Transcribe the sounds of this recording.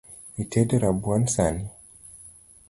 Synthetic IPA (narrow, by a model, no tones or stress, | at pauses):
itʰɛdeɾabwansani